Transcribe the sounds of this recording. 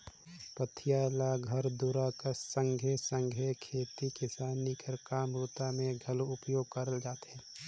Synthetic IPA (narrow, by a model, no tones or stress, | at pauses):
pət̪ʰɪjaːlaɡʱɐɾd̪uɾakəsə̃ŋɡʱjesə̃ŋɡʱjekʰeːt̪ikɪsaːnikəɾkaːmɾʊt̪amẽɡʱɐloʊpjoːɡ̚kɐɾəld͡ʒaːt̪eɦɛ̃ː